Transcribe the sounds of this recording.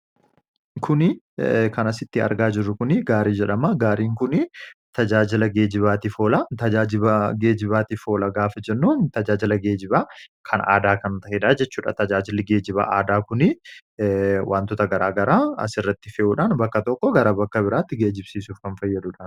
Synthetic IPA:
kʰʊnɪ | kɐnɐsɪt̪ːɪɐ̰ɾɡaːd͡ʒɪrːʊkʊnɪɡaːɾiːd͡ʒɛᶑɐmɐɡaːɾiːŋkʊnɪt̪ɐd͡ʒaːd͡ʒɪlɐɡe̞ːd͡ʒɪβaːt̪ɪfo̞ːlɐt̪ɐd͡ʒaːd͡ʒɪbɐɡe̞ːd͡ʒɪbaːt̪ɪfo̞ːlɐɡaːfɐd͡ʒɛnːuːnt̪ɐd͡ʒaːd͡ʒɪlɐɡe̞ːd͡ʒɪbaːkʰɐna̰ːd̪aːkɐnt̪ɐhɪᶑaːd͡ʒɛt͡ʃːuːᶑɐ̰t̪ɐd͡ʒaːd͡ʒɪlɪɡe̞ːd͡ʒɪba̰ːʔaːd̪aːkʊnɪ | wʔaːnt̪ʊt̪ɐɡɐɾaːɡɐɾaːɐ̰sɪrːɐt̪ːɪfeːʔuːᶑaːnbɐkːɐt̪ɔkːɔɡɐɾabɐkːɐbɪɾaːt̪ːɪɡe̞ːd͡ʒɪbsiːsuːfkɐnfɐjːɛᶑ̪ʊᶑaːn

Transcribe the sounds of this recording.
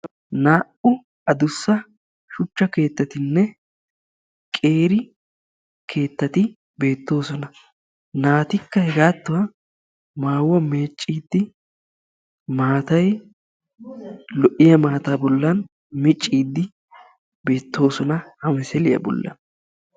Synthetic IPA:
naːʔʊ | ɐd̪ʊsːɐ | ʃʊt͡ʃːɐke̞ːt̪ːɐt̪ɪnːɛ | kʼe̞ːɾɪ | kʰe̞ːt̪ːɐt̪ɪ | be̞ːt̪ːo̞ːsɔnɐ | naːt̪ɪkːɐhɛɡaːt̪ːʊwa | maːwːɐmeːt͡ʃʼːiːd̪ːɪ | maːt̪ɐj | lɔʔɪjɐmaːt̪aːbɔlːɐn | mɪt͡ʃʼːiːd̪ːɪ | be̞ːt̪ːo̞ːsɔnɐhɐmɛsɛlɪjɐ̰bɔ̰lːɐ̰n

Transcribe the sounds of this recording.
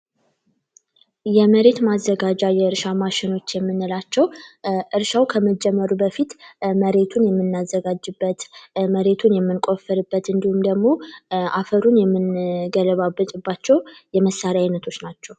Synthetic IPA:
jɛməɾe̞t̪mazːəɡad͡ʒajɛɨɾʃamaʃɪno̞t͡ʃːjɛmːɨnːɨlat͡ʃːɛwʔɨɾʃawkʰəməd͡ʒɛmːəɾubəfit̪məɾe̞t̪ʰunjɛmːɨnːazːəɡad͡ʒːɨbːət̪məɾe̞t̪ʰunjɛmːɨnkʼo̞fəɾɨbːət̪ɨnd̪ihumd̪əɡmo̞ʔafəɾunjɛmːɨnɡələβabːət̪ʼɨbːat͡ʃːɛwjɛməsːaɾjajnət̪ʰo̞t͡ʃːnat͡ʃːɛw

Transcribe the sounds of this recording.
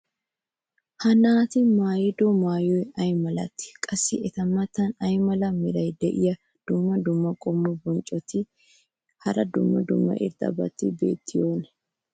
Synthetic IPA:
hɐnaːt̪ɪmaːjɪd̪ɔmaːjɔjɐjmɐlɐt̪ːɪ̥kʼɐsːɪɛt̪ɐmːɐt̪ːɐnɐjmɐlɐmɪɾɐjd̪ɛʔɪjɐ | d̪̥ʊmːɐd̪ʊmːɐkʼɔmːɔbɔnt͡ʃʼɔt̪ɪ | hɐɾɐd̪ʊ̰mːɐ̰d̪ʊ̰mːɐ̰ʔɪ̰ɾd̪ɐ̰bɐ̰t̪ːɪbḛːt̪ʰːɪjoːnɛ̥

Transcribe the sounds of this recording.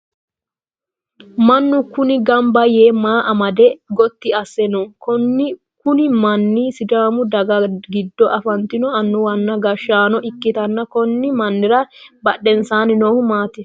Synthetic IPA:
mɐnːʊkʊnɪɡɐmbɐjeːmaːʔɐmɐd̪ɛɡɔt̪ːɪɐsːɛnɔkɔnːɪ | kʊnɪmɐnːisɪd͡ʒ̪aːmʊd̪ɐɡɐɡɪd̪ːɔʔɐfɐnt̪ɪnɔɐnːʊwɐnːɐɡɐʃːaːnɔʔɪkːɪt̪ɐnːɐkɔnːɪmɐnːɪɾɐbɐɗːɛnsaːnɪnoːhʊmaːt̪ɛ

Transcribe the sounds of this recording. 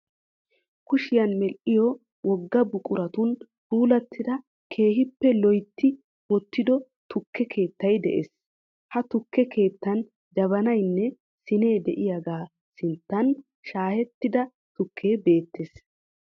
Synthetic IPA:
kʊʃɪjɐnmɛlʔɪjɔ | wɔɡːɐbʊkʼʊɾɐt̪ʊn | puːlɐt̪ʰːɪd̪ɐ | kʰe̞ːɦɪpːɛlɔjt̪ːɪ | wɔt̪ːɪd̪ɔ | t̪ʊkːɛkʰe̞ːt̪ːɐjd̪ɛ̰ʔḛs | hɐt̪ʊkʰːɛkʰe̞ːt̪ːɐn | d̪ɐβɐnɐjnːɛ | sɪne̞ːd̪ɛ̰ʔɪjɐɡaː | sɪnt̪ːɐn | ʃaːhɛt̪ːɪd̪ɐ | t̪ʊkʰːe̞ːbe̞ːt̪ːeːs

